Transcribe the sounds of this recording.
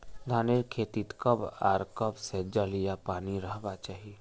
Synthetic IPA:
d̪ʱaːneɾkʰeːt̪it̪kəba̰ːɾkəbsed͡ʒəlijapaːniɾəɦbat͡ʃaːɦi

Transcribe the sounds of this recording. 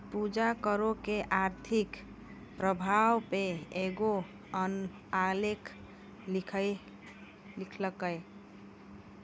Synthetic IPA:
pud͡ʒakəɾokeʔaɾt̪ʰik | pɾəbʱawpeeɡo | ən | alekʰ | kʰə | likʰləkəj

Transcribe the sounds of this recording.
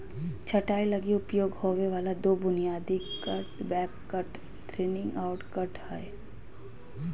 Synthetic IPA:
t͡ʃʰɐʈaːilɐɡiʊpjoːɡhoːʋeʋaːlad̪oːbʊnijaːd̪ikɐʈbɛːkːəʈ | ʈɾeːnɪ̃ŋɡaːʊʈkɐʈhɛe

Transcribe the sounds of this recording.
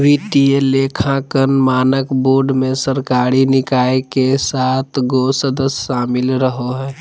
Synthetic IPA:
ʋit̪ielekʰãkənmaːnəkboːɾɖmẽsəɾkaːɾinɪkaːekesaːt̪ʰɡosəd̪əsʃaːmɪlɾəɦoɦɛː

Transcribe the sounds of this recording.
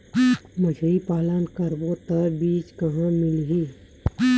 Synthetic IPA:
məʃɾipaːlənkəɾbot̪əɾbiːt͡ʃkɐɦãmɪlɦiː

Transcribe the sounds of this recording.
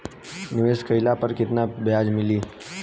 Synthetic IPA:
nɪʋeskəjlapəɾkɪt̪nabjad͡ʒmɪliː

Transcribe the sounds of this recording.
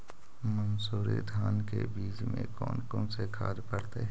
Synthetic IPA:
mənsuːɾḛd̪ʱaːnkebiːd͡ʒmḛ̃kɔ̰ːnkõsekʰa̰ːd̪pəɾt̪eɦɛ

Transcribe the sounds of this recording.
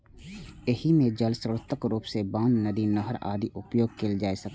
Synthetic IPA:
ɪhimẽd͡ʒəlsəɾət̪ʰːəkɾuːpsebãːnnəd̪inəɦəɾa̰ːd̪iʔʊpjoːɡ̚keːld͡ʒaːesək

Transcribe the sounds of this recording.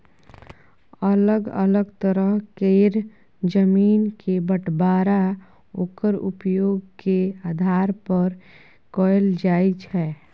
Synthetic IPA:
ələɡə̰ləɡt̪əɾəɦkeːɾ | d͡ʒəmiːnkebəʈbaːɾa | oːkəɾʊ̰pjoːɡkeaːd̪ʱaːɾpəɾ | kɔeld͡ʒaːit͡ʃʰɛː

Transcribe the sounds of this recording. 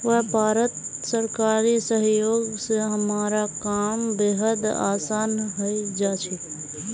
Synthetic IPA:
ʋəɦbʱaːɾət̪səɾkaːɾisəɦjoːɡseɦəmaːɾakaːmbeːɦəd̪a̰ːsaːnɦəid͡ʒaːt͡ʃʰi

